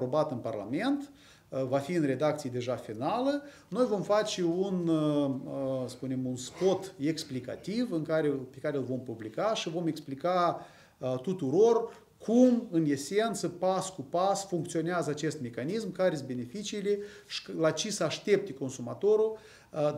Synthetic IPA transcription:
pɾo̞bat̪ɨnparla̰me̞nt̪ | vafiɨnre̞d̪ak̚t̪sijed̪e̞ʒafinalə | no̞jvo̞mfat͡ʃeun | spune̞munspo̞t̪e̞ksplika̰t̪ivɨŋkaɾepe̞kaɾelvo̞mpublikaʃivo̞me̞ksplika | t̪ut̪uɾo̞r | kʰumɨne̞se̞nt̪səpaskupasfuŋk̚t̪sio̞neazəat͡ʃe̞st̪me̞kanismkaɾesʲbene̞fit͡ʃiːleʃlat͡ʃesəaʃt̪e̞p̚t̪eko̞nsumat̪o̞ɾu

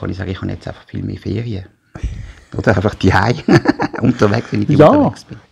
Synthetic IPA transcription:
ɑ̰nisɑ̰ːɡəɪχhɑnjɛ̰t͡staɪfɑ̥χfḭːlmḛːfeːʁiə | ʔod̥əʁaɪfɑχd̥iaɪʊntəʋɛksʋɛnijaksb̥ɪn

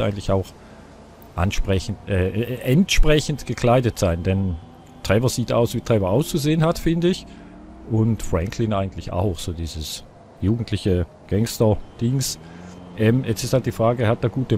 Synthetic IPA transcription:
a̰ɪɡn̩tlɪçaʊx | ʔa̰nʃpʁ̥ɛçn̩tʔɛːʔɛntʃpʁ̥ɛçn̩tɡ̥əkʰl̥aɪdətz̥aɪnd̥ɛn | tʁ̥ɛvɐziːta̰ʊsvitʁ̥ɛːvɐʔaʊst͡suzeːənɦatfɪndəɪç | ʔʊntfʁ̥ɛŋkʰlɪnʔaɪɡŋ̩tlɪça̰ʊxz̥oːdiːzəs | juːɡn̩tʰlɪçə | ɡ̥ɛŋstɐd̥ɪŋs | ʔɛːmjɛt͡sɪsthalt̚d̥iːfʁ̥aːɡəhat̚d̥eːɐɡuːtə

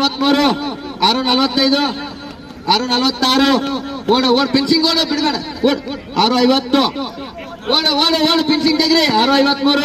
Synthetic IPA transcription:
ʋɐt̪ːmuːɾuaːɾunɐlʋɐt̪ːɐjd̪u | aːɾunɐlʋɐt̪ːaːɾuoːɽuoːɽpensiŋɡoːɽubiɽmɐɽoːɽ | aːɾuɐjʋɐt̪ːu | woːɽuoːɽuwoːɽupensiŋt̪eɡɾiaːɾuɐjʋɐt̪ːmuːɾu

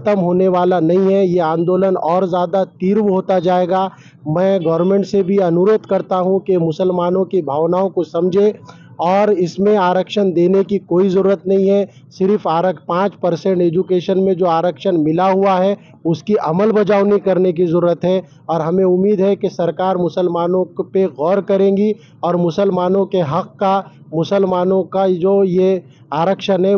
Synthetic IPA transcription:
ɐt̪əmɦoːneʋaːlanɐɦĩɦɛjeãːnd̪oːlənɔːɾzjaːd̪at̪iːɾʋɦoːt̪ad͡ʒaːeːɡa | mɛ̃ːɡɔːɾmẽːɳʈsebʱiɐnʊɾoːd̪kɐɾt̪aɦũkemʊsəlmaːnõkibʱaːʋnaːõkosɐ̃md͡ʒʱe | ɔːɾɪsmẽaːɾəkʃənd̪eːnekikoːizɐɾuːɾət̪nɐɦĩɦɛ | sɪɾfʰaːɾəkpãːt͡ʃpɐɾsẽɳʈeːd͡ʒukeːʃənmẽd͡ʒoːaːɾəkʃənmɪlaɦuaɦɛ | ʊskiʔɐməlbɐd͡ʒaːʋnikɐɾnek̬izɐɾuːɾət̪ɦɛ | ɔːɾɦɐmẽʊmːiːd̪ɦɛkesɐɾkaːɾmʊsəlmaːnõpeɣɔːɾkɐɾẽːŋɡi | ɔːɾmʊsəlmaːnõkeɦɐqːa | mʊsəlmaːnõkad͡ʒoːje | aːɾəkʃənɦɛ

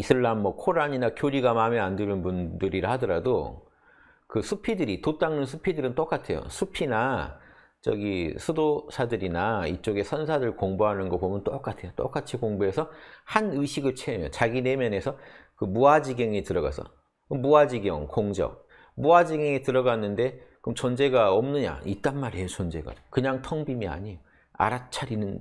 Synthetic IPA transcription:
isʰɯɭːanmʌkʰoɾaɲinakjoɾiɡamameandɯɾɯnbundɯɾiɾɯhadʌɾado | kɯsʰupʰidɯɾitot͈aŋnɯnsʰupʰidɯɾɯnt͈ok͈atʰe̞jo̰sʰupʰina | t͡ɕʌ̰ɡisʰudosʰadɯɾinaḭt͡ɕ͈oɡe̞sʰʌnsʰaɾɯɭkoŋboɦanɯnɡʌpomjʌnt͈ok͈atʰe̞jot͈o̰k͈at͡ɕʰikoŋbue̞sʰʌhanɯɕʰiɡɯɭt͡ɕʰeɯmjʌt͡ɕaɡine̞mjʌne̞sʰʌkɯmuad͡ʑiɡʌŋitɯɾʌɣa̰sʰʌ̰ | muad͡ʑiɡjʌ̰ŋkoŋd͡ʑʌ̰k̚ | muad͡ʑiɡeŋitɯɾʌɡanːɯnde̞kɯmt͡ɕʌnd͡ʑe̞ɡaʌmnɯɲa̰it̚t͈anmaɾejot͡ɕʌnd͡ʑe̞̰ɡa̰ookɯɲaŋtʰʌŋbimia̰ɲijo | a̰ɾat͡ɕʰaɾinɯn

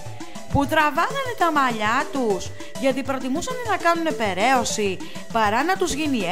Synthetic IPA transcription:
put̪ɾɐvɐθɐnet̪ɐmɐʎɐt̪us | ʝɐt̪ipɾo̞t̪imusɐnenɐkɐnune̞pe̞ɾe̞o̞si | pɐɾɐnɐt̪uzʝini

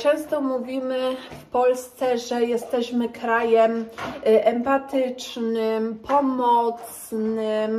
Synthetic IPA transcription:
t͡ʂɛ̃w̃st̪ɔmuvʲimɘfpɔlst̪sɛʐɛjɛst̪ɛɕmɘkɾajɛmʔɛmpat̪ɘt͡ʂnɘmpʰɔmɔt̪snɪm

